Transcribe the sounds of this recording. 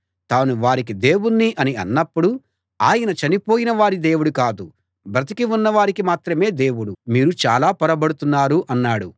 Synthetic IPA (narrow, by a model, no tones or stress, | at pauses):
t̪aːnuʋaːɾik̬id̪e̞ːwunːiʔɐniɐ̰nːɐpːuɽu | aːjɐnɐt͡ʃɐnipo̞ːjinɐʋaːɾid̪e̞ːwuɽukaːd̪u | bɾɐt̪̬ikiunːɐʋaːɾikimaːt̪ɾɐme̞ːd̪e̞ːwuɽumiːɾut͡ʃa̰ːlaːpɔɾɐbɐɽut̪unːaːɾuʔɐnːaːɽu